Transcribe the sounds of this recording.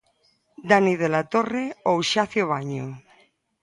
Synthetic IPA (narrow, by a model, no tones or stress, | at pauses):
d̪aniðelat̪oreowʃaθjoβ̞aɲo